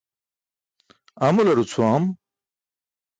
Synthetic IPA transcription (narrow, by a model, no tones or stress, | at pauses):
ɐmulɐɾut͡sʰuam